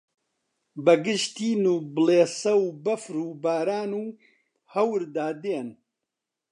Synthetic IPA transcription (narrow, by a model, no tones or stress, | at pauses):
bɐɡɨʃt̪iːnuːbɨleːsɐwbɐfɾuːbaːɾaːnuː | hɐwɾd̪aːd̪eːn